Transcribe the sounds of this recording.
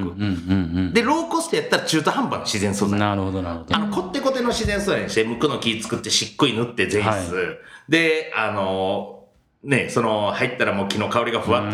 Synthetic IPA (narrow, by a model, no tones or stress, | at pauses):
kɯ | d̪e̞ɾo̞ːko̞sɨ̥t̪ejat̪ːaɾat͡ɕɨːt̪ohãmbanːoɕizẽ̞ɰ̃sɨoaɾɯhod̪aanoko̞t̪ːe̞ko̞t̪e̞no̞ɕizẽɰ̃sɨːnaɲɕid̪emɯ̟kɯ̟nokʲiːt͡sɨ̥kɯ̟t̪ːe̞ɕikːoinɯ̟t̪ːe̞d͡zẽ̞sɨd̪e̞ano̞ | ne̞so̞no̞hait̪ːaɾamoːkʲino̞kao̞ɾiɡaɸɯ̟βat̪ː